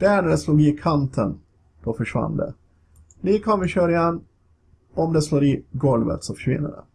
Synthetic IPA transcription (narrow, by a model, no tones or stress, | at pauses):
d̪̥æːɳæɖɛsluːɡɪkʰant̪ʰən | d̪̥ɔfœʂva̰nːd̪ɛ̰ | liːkɔmvɪɕøːɾɪjɛnː | ɔmd̪ɛsloːɾɪɡɔlvə̰t̪sɔfœ̥ʂvɪ̰nːə̰ɖɛ̰